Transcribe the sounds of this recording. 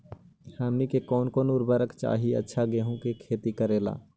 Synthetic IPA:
haːmnikekɔːnkoːnʊɾbəɾəkt͡ʃa̰ːɦiə̰tːʃʰaɡeːɦũkekʰeːt̪ikəɾeːla̰ː

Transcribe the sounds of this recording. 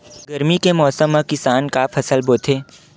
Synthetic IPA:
ɡɐɾmikemɔːsəmːãkɪsaːnkapʰɐsəlboːt̪ʰeː

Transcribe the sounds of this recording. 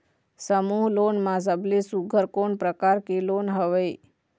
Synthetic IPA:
səmuɦloːnmãs̬əblesuɡʱəɾkonpɾəkaɾkelonɦəʋəj

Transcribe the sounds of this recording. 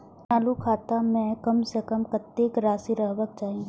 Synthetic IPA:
naːlukʰaːt̪amɛ̃kɐmsekəmkɐt̪ːekɾaːsiɾəɦʋək̚t͡ʃaːɦĩ

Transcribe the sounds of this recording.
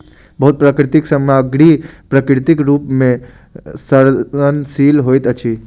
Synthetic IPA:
bəɦut̪̚pɾakɾɪt̪ɪksəmaəɡɽipɾəkɾɪt̪ɪkɾuːpmẽ | səɾənsiːlɦojt̪ət͡ʃʰi

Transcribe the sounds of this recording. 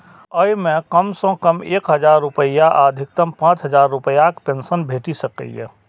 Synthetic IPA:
əjmẽkɐmsɔ̃kɐmeːkɦɐd͡ʒaːɾːʊpəjaʔaːd̪ʱɪk̚t̪əmpãːt͡ʃɦəzaːɾːʊpəjakpẽːnsənbʱeːʈisɐkə̰ijɛ̰

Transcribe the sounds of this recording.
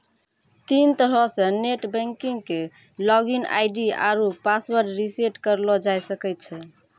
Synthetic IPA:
t̪int̪əɾəseneʈbɛ̃ŋkiŋɡke | lɔɡina̰ɪɖia̰ɾupaswəɾɖɾiseʈkəɾlɔd͡ʒajsəkɛjt̪̚t͡ʃʰɛ

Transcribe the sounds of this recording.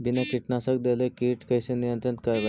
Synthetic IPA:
binakiʈnasək̚d̪elekiʈkəjsenijənt̪ɾənt̪kəjʋə

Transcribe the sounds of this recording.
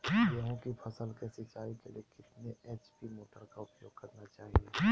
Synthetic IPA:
jəɦõkipʰɐsəlkɛːset͡ʃaːɦikeliekɪt̪neʔɛːt͡ʃpimoːʈəɾkaʊpjo̰ːɡ̚kɐɾnat͡ʃaːɦie

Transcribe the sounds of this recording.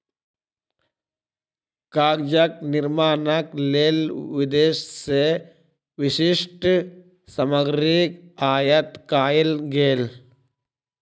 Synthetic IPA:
kaːɡd͡ʒɐk̚nɪɾmaːnɐkleːlʋɪd̪eːʃse | ʋɪsiʂʈ | sɐmɐɡɾikaːjɐt̪kaːjilɡeːl

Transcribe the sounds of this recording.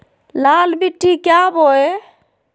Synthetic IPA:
lalbiʈːikjaboj

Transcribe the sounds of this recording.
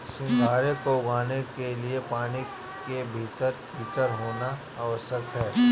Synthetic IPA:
sɪ̃ŋɡʱaːɾekoɡaːnekeliepaːni | kebʱiːt̪əɾ | iːt͡ʃ̪əɾɦoːna | aʋəsəkɦɛː

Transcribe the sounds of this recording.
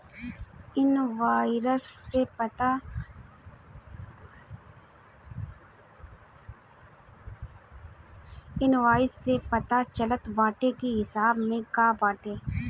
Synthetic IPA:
ɪnʋaːɪɾəse | ɪnʋaːɪsːepɐt̪at͡ʃɐlət̪baːʈekiɦɪsaːbmẽkaːbaːʈeː

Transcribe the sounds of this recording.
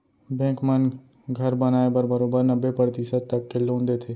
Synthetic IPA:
bɛ̃ːkmən | ɡʱɐɾbɐnaːebəɾbəɾoːbəɾnɐbːepɾəɾt̪isəd̪̚t̪ɐkːelõːnd̪et̪ʰeː

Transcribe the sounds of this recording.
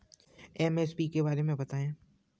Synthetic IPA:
ɛmespikebaːɾemẽbɐt̪aːẽː

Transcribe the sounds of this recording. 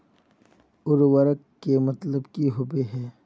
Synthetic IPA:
ʊɾwəɾəkːemɐt̪ləbkiɦʊbeɦɛː

